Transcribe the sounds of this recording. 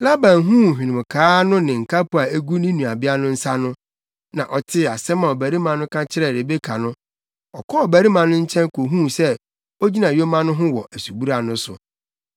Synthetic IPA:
la˦bã˨nɦũ˦˨ɦᶣĩ˨nɪ̃˨m˨kʰaː˨˦nʊ̃˦nɪ̃˨ŋ̩˨kʰa˦pʊ˨a˨æ˦ɡu˦nĩ˦nũ˨a˨bɪ˦a˦nʊ̃˦n̩˦sa˦nʊ̃˦ | nã˨ʔɔ˨tʰɪ˦˨a˨sɛ˦mã˨ɔ˨bæ˨ɾi˦mã˨nʊ̃˦kʰã˦t͡ɕʰɪ˦ɾɛ˨ɾe˨be˦kʰa˨nʊ̃˦ | ɔ˨kʰɔ˦ɔ˨bæ˨ɾi˦mã˨nʊ̃˦ɲ̩˦t͡ɕʰɛ̃˦nko˨ɦũ˦˨sɛ˦ | o˦d͡ʑi˦nã˨jo˦mã˦nʊ̃˦ɦʊ̃˦wɔ˨ʔæ˨su˨bu˦ɾa˨nʊ̃˦sʊ̰˨

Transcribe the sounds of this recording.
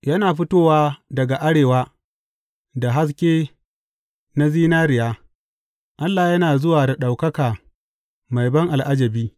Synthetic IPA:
jɐ˦naː˨ɸʊ˦toː˦waː˦dɐ˨ɡa˨ʔa˦ɽeː˨waː˦ | da˨ɦa˦s̬kʲeː˦ | na˦ziː˦naː˦ɾɪ˨jaː˦ | ʔa˦lːaː˨jɐ˦naː˨zʊ˦waː˨da˨ɗa˨wkɐ˦kaː˨ | ma˨jbɐ˦ŋʔa˨lʔa˦d͡ʒɐ˨biː˦

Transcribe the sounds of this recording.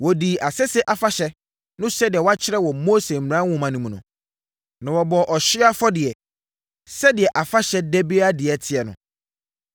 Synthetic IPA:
wɔ˨di˨ʔa˨sɛ˦sɛ˦ʔa˨fa˦ɕɛ˦ | nʊ̃˦sɛ˦dɪ˨ɛ˨wa˦t͡ɕʰɪ˦ɾɛ˦wɔ˨mo˦se˨m̩˨m˨ã˦wʊ̃˦˨mã˨nũ˨mũ˨nʊ̰̃˨ | nã˨wɔ˨bɔ˨ʔɔ˨ɕi˦a˦fɔ˦dɪ˨ɛ˨ | sɛ˦dɪ˨ɛ˨ʔa˨fa˦ɕɛ˦dɛ˦bi˦a˦dɪ˨ɛ˨tʰɪ˨ɛ˨nʊ̰̃˨

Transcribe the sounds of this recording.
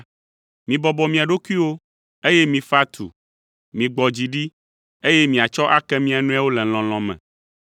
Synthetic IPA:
mĩ˨bɔ˨bɔ˨mĩ˨a˨ɖo˦ku˦i˦wo˦ | e˦jɛ˦mĩ˨fa˦t̪ʰṵ˨ | mĩ˨ɡ͡bɔ˨d͡ʑi˨ɖi˦ | e˦jɛ˦mĩ˨a˨t͡ʃɔ˦ʔa˦kɛ˦mĩ˦a˨nũ˦a˦wo˦lɛ˨l̃ɔ̃˨l̃ɔ̃˨mɛ̰̃˨

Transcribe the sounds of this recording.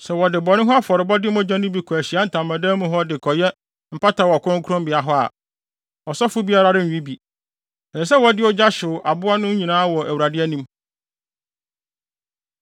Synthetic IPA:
sɛ˨wɔ˨dɪ˨bɔ˨nʊ̃˦ɦɔ˦a˦fɔ˨ɾɪ˨bɔ˦dɪ˦mɔ̃˦d͡ʑã˦nʊ̃˦bi˨kʰɔ˨æ˨ɕi˨˦a˦n̩˨tʰã˨mːã˨dɛ̃ː˦mũ˨ɦɔ˦dɪ˨kʰɔ˨jɛ˦ | m̩˨pa˦tʰa˨wɔ˨kʰʊ˦ʊ̃˦ŋ˦kʰʊ˦ɾʊ̃˦mbɪ˨a˨ɦɔ˦a̰˨ | ɔ˨sɔ˦fʊ˦bi˦a˦ɾa˦ɾɪ˦n̩ᶣ˨ũ˦bi˨ | ɛ˨ɛ˨sɛ˦wɔ˨˦dɪ˦ɔ˦d͡ʑa˦ɕʊ˨ʔa˨bʊ˦a˦nʊ̃˦ɲĩ˨nãː˦wɔ˨ʔæ˨wu˨ɾa˨dɪ˦ɛ˦nĩ˦m

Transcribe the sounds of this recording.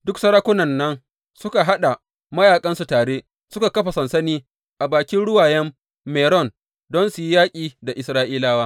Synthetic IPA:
dʊ˦ksɐ˦ɾaː˦kʷʊ˦nɐ˨nːɐ˦n | sʊ˦ka˨ɦa˦ɗa˨ | mɐ˦jaː˨kʼɐ˦nsu˨taː˨ɽeː˦ | sʊ˦ka˨kɐ˦ɸa˨sɐ˨nsɐ˦niː˦ | ʔa˨baː˨kʲɪ˦nɽʊ˦waː˨jɛ˦mː | ɛː˨ɾɔ˦˨n | dɔ˦nsu˨ji˦jaː˦kʲʼiː˨da˨ʔɪ˨sɾaː˦ʔiː˦laː˦waː˦

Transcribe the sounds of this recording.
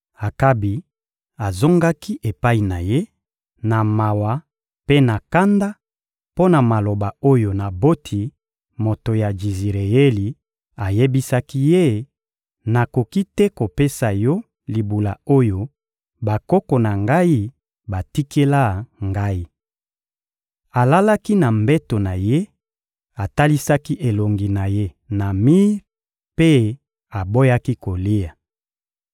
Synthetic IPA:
a˨ka˦bi˨ | a˨zo˦ŋɡa˦ki˦ʔe˨pa˦i˨na˨je˦ | na˨ma˨wa˨ | pe˦na˨ka˦nda˦ | po˦na˨ma˨lo˨ba˨o˦jo˨na˨bo˦tʰi˨ | mo˨to˨ja˨d͡ʒi˨zi˨ʁe˨je˦li˨ | a˨je˦bi˦sa˦ki˦je˦ | na˨ko˨ki˦tɛ˦ko˨pe˦sa˨jɔ˦ | li˨bu˨la̰˨o˦jo˦ | ba˨kɔ˦ko˨na˨ŋɡa˦i˦ | ba˨ti˦kʰe˦la˦ŋɡa˦i˦ | a˨la˦la˦ki˦na˨mbɛ˦to˨na˨je˦ | a˨ta˦li˦sa˦ki˦ʔe˨lo˨ŋɡi˨na˨je˦ | na˨mi˦ | pe˦ | a˨bo˦ja˦ki˦ko˨li˦a˨

